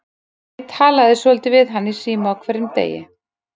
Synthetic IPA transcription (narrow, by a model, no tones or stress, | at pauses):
t̪ʰaːlaðɪsvɛlt̪ɪvɪðɦanːisiːmaawkʰvɛɾːɪmt̪ḛːjɪ̰